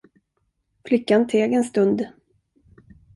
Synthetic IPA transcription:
flɪkːant̪ʰeːɡɛnst̪ɵnd̪

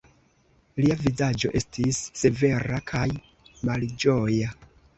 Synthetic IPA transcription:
liavizad͡ʒo̞̰ʔe̞stʰisːe̞ve̞ɾakʰaj | mald͡ʒo̞ja

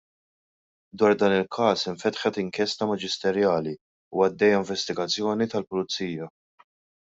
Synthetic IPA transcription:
d̪wɐːɾd̪ɐːnɪlkʰɐːsɪɱfɛt̪ħɛt̪ɪŋkjɛst̪ɐmɐd͡ʒɪst̪ɛɾjɐːli | uɐd̪ːɛjːɐɪɱvɛst̪ɪɡɐt͡sːjɔːnit̪ɐlpʊlʊt͡sːiːjɐ

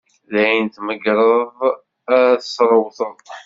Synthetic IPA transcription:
læjənt̪məɡɾˤəðˤ | æθəsɾˤəwθəl

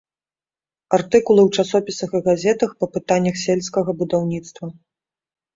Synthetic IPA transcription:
art̪ɨkulˠɨwt͡ʂasɔpʲisɐxɨɣazʲɛt̪ɐxpɐpɨt̪anʲːɐxsʲɛlʲskɐɣɐbud̪awnʲit̪st̪vɐ

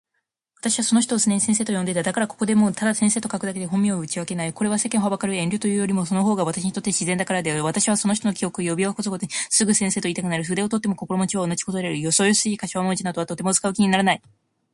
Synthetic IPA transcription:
βat̪aɕiβaso̞no̞ç̬t̪oːsɨneɲisẽ̞se̞ːt̪o̞jo̞nd̪et̪ad̪akaɾako̞ko̞d̪e̞mo̞t̪ʰad̪asẽ̞ɰ̃se̞ːt̪o̞kakɯ̟d̪ake̞d̪e̞ɦõ̞mːʲioɯ̟t͡ɕiβake̞naiko̞ɾe̞β̞ase̞keɰ̃ɦhabakaɾɯ̟ẽ̞nʲɾʲɨt̪o̞jɯ̟ːjo̞ɾʲimo̞so̞noɦo̞ːɡaβat̪aɕiɲ̟it̪o̞t̪ːe̞ɕizẽnd̪akaɾad̪e̞βat̪aɕiβ̞aso̞no̞ç̬i̥t̪oo̞kʲio̞kɯ̟jo̞bʲiakosokot̪oɲisɨɡɯ̟sẽ̞ɰ̃seːt̪oiːt̪akɯ̟naɾɯ̟ɸɯ̟d̪e̞o̞t̪o̞t̪ːe̞mo̞ko̞ko̞ɾomot͡ɕiβaonad͡ʑi̥kozo̞ɾe̞ɾɯ̟jo̞so̞ːjosɨiːkaɕβamond͡ʑinad̪o̞at̪ot̪e̞mot͡sɨ̥kaɯ̟kʲiɲ̟inaɾanai

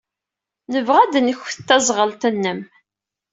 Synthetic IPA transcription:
nəvʁæd̪nəçə̥t̪ːæzˤʁəlt̪ənːəm

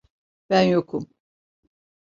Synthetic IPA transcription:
b̥ænjokʰum

